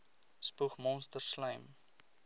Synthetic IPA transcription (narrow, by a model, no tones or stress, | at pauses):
spuχmɔnstərslœjm